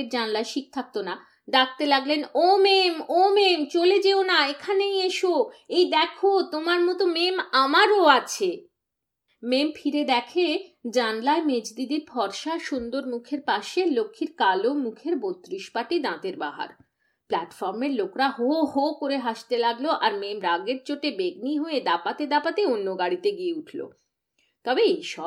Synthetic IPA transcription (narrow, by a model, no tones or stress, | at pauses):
eɾd͡ʑanlaeʃik̚t̪ʰak̚t̪ona | d̪ak̚t̪elaɡlenomemomemt͡ɕoled͡ʑeonaekʰanejeʃoejd̪ɛkʰot̪omaɾmɔt̪omemamaɾoat͡ɕʰe | memfʰiɾed̪ɛkʰed͡ʑanlaemed͡ʑd̪id̪iɾbʱɔɾʃaʃund̪oɾmukʰeɾpaʃelokʰːiɾkalomukʰeɾbot̪ːɾiʃpaʈid̪ãt̪eɾbaɦa̰ɾ | plaʈfɔɾmeɾlokɾaɦoɦokoɾeɦaʃt̪elaɡloʔaɾmemɾaɡeɾt͡ɕoʈebeɡniɦoed̪apat̪ed̪apat̪eonːoɡaɽit̪eɡieuʈʰlo̰ | t̪ɔbeejʃɔ